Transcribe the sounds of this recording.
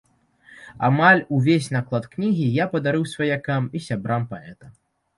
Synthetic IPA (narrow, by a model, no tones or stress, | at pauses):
a̰malʲuvʲes̬ʲnaklˠat̪knʲiɣʲijapɐd̪aɾɨwsvɐjakamisʲabɾampaɛt̪ɐ